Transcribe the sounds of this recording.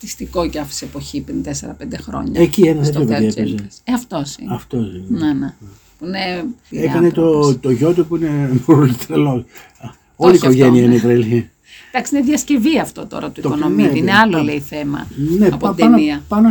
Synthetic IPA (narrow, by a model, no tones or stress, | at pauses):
t̪ist̪iko̞ceɐfsepoçipɾint̪eseɾɐ̰pend̪exɾo̞̰ɲɐ̰ecienɐθet̪jopðieeesɐft̪o̞sḭɐft̪osinene | puineiekɐnet̪ot̪oʝo̞t̪ipuinemuɾulit̪elos | oliːko̞ʝenniɐineipɾelçi | d̪ɐksiineðʝɐsce̞viɐft̪o̞̰t̪o̞̰ɾɐt̪uiokonomiineɐloleiθemɐ̰neɐpod̪niɐpɐno